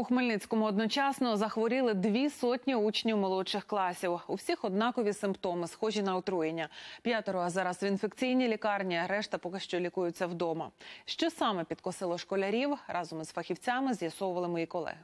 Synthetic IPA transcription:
uxmelʲnɪt͡sʲkɔmʊɔd̪nɔt͡ʃɑsnɔɔzɐxʋɔɾʲɪlˠɪd̪ʋʲisɔtʲnʲiut͡ʃnʲiwmɔlˠɔt͡ʃɪxklˠɑsʲiwuwsʲixɔd̪nɑkɔʋʲisɪmpt̪ɔmɪsxɔʒʲinɐɔt̪ɾujenʲːɐpʲjat̪ɔɾɔɐzɑɾɐzʋʲinfekt͡sʲijnʲilʲikɑrnʲiɐɾɛʃt̪ɐpɔkɪʃt͡ʃɔlʲikujʊt͡sʲːɐwd̪ɔmɐʃt͡ʃɔsɑmɛpʲit̪kɔsɪlˠɔʃkɔlʲɐɾʲiwrʔɑzɔmzfɐxʲiwt͡sʲɑmɪzjɐsɔwʊʋɐlˠɪmɔjikɔlˠɛ̰ɦɪ

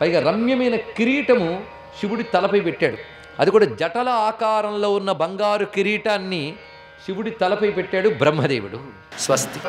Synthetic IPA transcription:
pɐjɡaːɾɐmjɐmɐjnɐkiɾiːʈɐmu | ʃiʋuɽit̪ɐlɐpɐjpɛʈːaːɽu | ɐd̪ikuːɽaːd͡ʒɐʈɐlɐaːkaːɾɐmlo̞ːunːɐbɐŋɡaːɾukiɾiːʈaːnːi | ʃiʋuɽit̪ɐlɐpɐjpɛʈːaːɽubɾɐmːɐd̪eːʋuɽṵ | sʋɐst̪

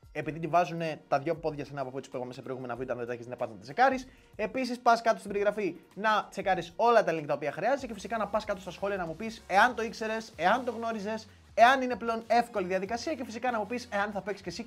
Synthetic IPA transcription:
e̞piðit̪ivɐzune̞t̪ɐðʝo̞po̞ðʝɐsenɐːpopot̪ispuipɐmesepɾoɣumenɐvit̪ɐnðet̪eçisnɐpɐsnɐt̪t͡se̞kɐɾis | e̞pisispɐskɐt̪ost̪ibeɾiɣɾɐfinɐ̥t͡sekɐɾiso̞lɐt̪ɐelinŋkit̪opiɐxɾiɐzet̪ecefisikɐnɐpɐskɐt̪ost̪ɐsxo̞liɐnɐmupise̞ɐnt̪o̞ikse̞ɾe̞se̞ɐnt̪o̞ɣno̞ɾize̞s | e̞ɐnine̞ple̞o̞ne̞fko̞liðiɐðikɐsiɐce̞fisikɐnɐmupise̞ɐnθɐpeksce̞si

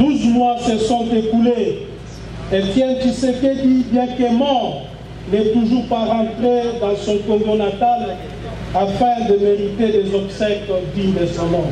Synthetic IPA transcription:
d̪uzmwasəsɔ̃t̪ekule | ekjɛ̃kiseked̪ibjɛ̃kemɔ̃ | nɛt̪uʒuʁpaʁɑ̃t̪ʁed̪ɑ̃sɔ̃kɔ̃ɡɔ̃nat̪al | afɛ̃d̪əmeʁit̪edezɔbsɛkld̪id̪esamɔ̃

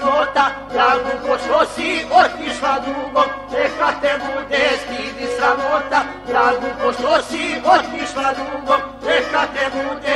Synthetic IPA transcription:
ot̪ad̪ɾaːɡukoʃt̪osiot̪iʃlad̪uːɡot͡ʃekat̪ebud̪est̪iːd̪isɾamot̪a | d̪ɾaːɡukoʃt̪osiot̪iʃlad̪ɾuːɡot͡ʃekat̪ebud̪e

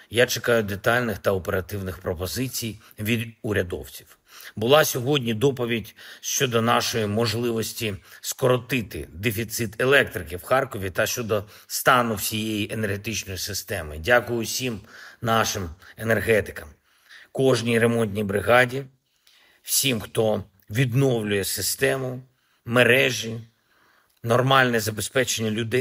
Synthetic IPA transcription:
jat͡ʃekɑjʊd̪et̪ɑlʲnɪxt̪ɐɔpeɾɐt̪ɪwnɪxpɾɔpɔzɪt͡sʲij | ʋʲid̪ʊɾʲɐd̪ɔ̰wt͡sʲi̥w | bʊlˠɑsʲɔɦɔdʲnʲid̪ɔpɔʋʲidʲʃt͡ʃɔd̪ɔnɑʃɔjimɔʒlˠɪʋɔsʲtʲiskɔɾɔt̪ɪt̪ɪ̰d̪efʲit̪sɪt̪e̞lˠɛkt̪ɾɪkɪwxɑrkɔʋʲit̪ɐʃt͡ʃɔd̪ɔ | st̪ɑnʊwsʲijejiʔe̞nerɦet̪ɪt͡ʃnɔjisɪst̪ɛmɪ̰dʲakʊjʊsʲimnɑʃɪme̞nerɦɛt̪ɪ̥kɐm | kɔʒnʲijɾemɔnʲt̪ʲnʲijbɾɪɦɑdʲi | wsʲimxt̪ɔ | ʋʲid̪nɔwlʲʊjɛsɪst̪ɛmʊ | meɾɛʒi | nɔrmɑlʲnɛzɐbespɛt͡ʃenʲːɐlʲʊd̪ɛ

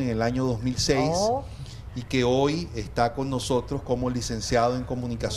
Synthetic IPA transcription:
eŋelaɲo̞ðo̞zmilsejs | ike̞ojest̪ako̞nːo̞so̞t̪ɾosko̞mo̞lise̞nsjað̞o̞e̞ŋko̞munikas

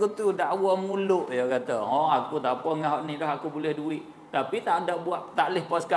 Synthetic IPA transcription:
kut̪udaʔbuaʔmulʊʔjəkat̪aɦɔakut̪apəŋaɦaʔnɪhlaɦakubolɛhduɪʔ | t̪apit̪aʔdaʔbuaʔt̪aʔlɪhpaska

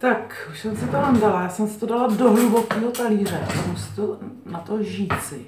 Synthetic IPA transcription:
t̪akʃsɛmsɪt̪oɦandalajaːsɛmsɪ̥t̪odaladoɦlubokiːɦot̪aliːr̝ɛa̰sɛmsɪ̥t̪u | nat̪oʒiːt͡sɪ

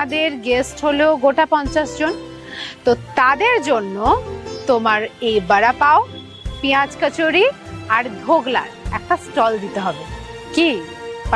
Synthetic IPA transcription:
d̪eɾɡesʈɦoloɡoʈapɔnt͡ɕaʃd͡ʑon | t̪ot̪ad̪eɾd͡ʑonːot̪omaɾejbaɾapao | piad͡ʑkat͡ɕoɾiaɾd̪ʱoɡla̰ɾɛk̚ʈasʈɔld̪it̪eɦɔbekip

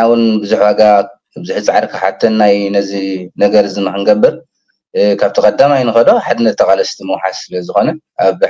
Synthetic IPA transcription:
awʊnbɨzuħwaɡa | bɨzuħt͡sʼaʕaɾkʰɨħa̰t̪ʰːɐnːajnɐzinɐɡɐɾɨzɨmɐxɨnɡɐbːɨɾ | kʰaβt̪ʰikʼɐd̪ːamajnɨxɐloħad̪ɨnːɐt̪t̪ʰːɐkʼalɐst̪ʰimɐwħa̰ssɨlɐzɨxo̞nɐ | ʔaβ

